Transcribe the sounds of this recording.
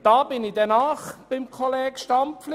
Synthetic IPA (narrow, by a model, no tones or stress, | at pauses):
d̥ɑːbɪnɪd̥ɛnaːχb̥ɪmkʰɔlɛːɡ̥ʃtɑmpflɪ